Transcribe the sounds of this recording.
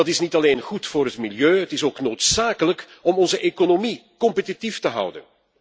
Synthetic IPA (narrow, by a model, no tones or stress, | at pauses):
ɑtɪsnitɑleːnɣutfʊːɾɦətmiljøːətɪsoːknoːtsaːkələkɔmɔnzəʔekonomikɔmpətitiftəɦʌ̰wdə̰n